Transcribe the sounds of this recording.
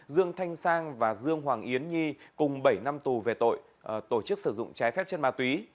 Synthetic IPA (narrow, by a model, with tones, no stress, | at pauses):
zɨ˧əŋt̪ʰa˧jŋ̟saː˧ŋvaː˨˩zɨ˧əŋɦwaː˨˩ŋʔi˨˦ənɲi˧kʊ˨˩ŋ͡mɓə˧˩jna˧mt̪u˨˩ve˨˩t̪o̰˧˨j | t̪o˧˩t͡ɕɨ˦˥k̚sɨ˧˩zʊ̰˧˨ŋ͡mt͡ɕaː˨˦jfɛ˦˥p̚t͡ɕe˧nmaː˨˧˩t̪wi˨˦